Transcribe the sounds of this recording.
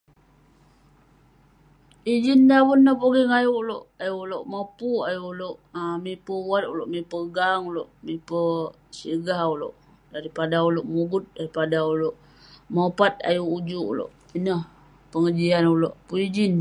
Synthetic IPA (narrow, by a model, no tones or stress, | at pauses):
id͡ʒindabunːəhpoɡiŋajuloʔajuʔloʔmapuajuʔloʔmipəwat̪uloʔmipəɡaŋuloʔmipə | siɡahulo̰ʔ | daɾipadauloʔmuɡʊt̪̚daɾipadauloʔ | mopat̪̚a̰juʔːd͡ʒuʔṵlo̰ʔ | inəh | pəŋəd͡ʒianuloʔpuid͡ʒin